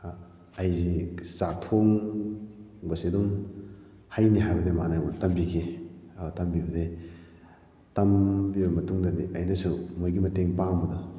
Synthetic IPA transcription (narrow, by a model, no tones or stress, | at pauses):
ɐjzizatʰoŋ | bɐsiduŋ | hajniɦajbɐdemanajbutɐmbikʰi | tɐmbibɐdi | tɐmbibɐmɐtuŋdɐdiʔɐjnɐsumojɡimɐteŋpaŋbɐdɐ